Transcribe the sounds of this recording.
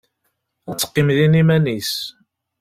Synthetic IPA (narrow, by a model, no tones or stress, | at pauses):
æt͡sːə̥qːimðinimænis